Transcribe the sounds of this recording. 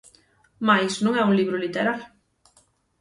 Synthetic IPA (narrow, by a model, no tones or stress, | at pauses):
majsnõŋɛuŋliβɾolit̪eɾaɾ